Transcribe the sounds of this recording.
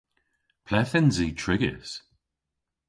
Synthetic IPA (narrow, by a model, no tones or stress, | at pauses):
pʰlɛθɪnziːtʰɹɪɡɪ̰s